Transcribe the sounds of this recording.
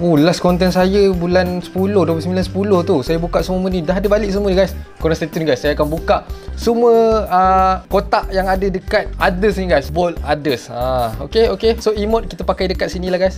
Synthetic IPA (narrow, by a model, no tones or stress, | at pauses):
olaskɔnt̪ɛnsajəbulansə̥pulʊhduəplsəmbilansə̥pulʊht̪usajabukaʔsuməmənidaɦadəbalɪʔ̚suməniɡajskɔnast̪et̪ənɡajsːajakanbukaʔsuməəkot̪aʔjaŋadədəkat̪̚adəsniɡajsbɔladəsãokeokesoimɔt̪̚kit̪apakajdəkat̪̚sinilahɡajs